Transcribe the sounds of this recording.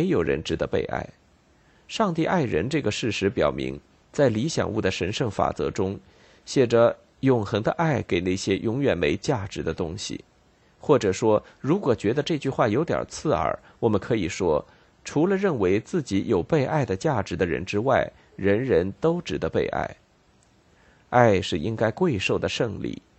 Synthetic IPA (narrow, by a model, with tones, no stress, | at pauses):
me˧˥ɪjo˨˩ʊɻə̰˧˥nʈ͡ʂɻ̩˧˥t̪ə˧pḛ˥˧ɪʔa̰˥˩ɪ | ʂɑ˥˧ŋt̪i˥˧ʔa˥˩ɪɻə̰˧˥nʈ͡ʂɤ˥˩ɡə˩ʂɻ̩˥˩ʂɻ̩˧˥pjɑ˨˩ʊmḭ˧˥ŋ | t͡sa˥˩ɪli˧˥ɕjɑ̰˨˩ŋu˥˩d̪ə˩ʂə˧˥nʂɤ˥˩ŋfa̰˨˩t͡sɤ̰˧˥ʈ͡ʂʊ˥ŋ | ɕjɛ˨˩ʈ͡ʂə˧˦ | jʊ˨˩ŋxɤ˧˥ŋd̪ə˧ʔa˥˩ɪke˨˩ɪna˥˩ɕjɛ˥jʔʊ˧˥ŋɥɛ˨˩nme˧˥ɪt͡ɕja˥˩ʈ͡ʂɻ̩˧˥d̪ə˧t̪ʊ˥ŋɕḭ˨˩ | xwɔ˥˩ʈ͡ʂɤ˨˩ʂwɔ˥ɻu˧˥kwɔ˨˩t͡ɕɥɛ˧˥d̪ə˧ʈ͡ʂɤ˥˧t͡ɕy˥˧xwa˥˩jo˧˥ʊt̪jɑ̰˨˩t͡sʰɹ̩˥˩ə̰˞˨˧˩ | wɔ˨˩mə˦nkʰɤ˧˥i˨˩ʂwɔ˥ | ʈ͡ʂʰu˧˥lə˧ɻə˥˩nwe˧˥ɪt͡sɹ̩˥˩t͡ɕi˧˥jo˨˩ʊpe˥˧ɪʔa˥˩ɪd̪ə˩t͡ɕja˥˩ʈ͡ʂɻ̩˧˥d̪ə˧ɻə̰˧˥nʈ͡ʂɻ̩˥wa˥˩ɪ | ɻə˧˥nɻə˧˥nt̪o˥ʊʈ͡ʂɻ̩˨˩d̪ə˧˦pḛ˥˧ɪʔa̰˥˩ɪ | a˥˧ɪʂɻ̩˥˩ʔi˥ŋka˥ɪkwe˥˧ɪʂo˥˩ʊd̪ə˩ʂɤ˥˧ŋlḭ˥˩